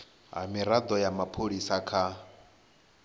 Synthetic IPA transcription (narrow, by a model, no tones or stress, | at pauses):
ɦa̰miɾad̪ɔjamapʰoɺisakʰa